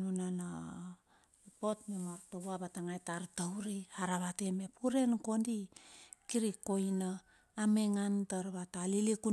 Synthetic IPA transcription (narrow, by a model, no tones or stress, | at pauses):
nunana | epo̞tmemaɾtoβuaβataŋajtaɾtawɾihaɾaβateme̞puɾe̞nko̞ndikiɾiko̞jnaː | me̞ŋantaɾβataliliku